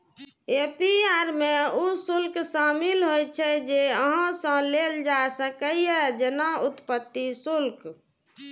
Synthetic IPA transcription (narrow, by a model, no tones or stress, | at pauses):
epiaɾmeusulksamilɦojt͡ʃʰɛd͡ʒeəɦãsə̃leld͡ʒasəkəjed͡ʒenaut̪pət̪ːisulk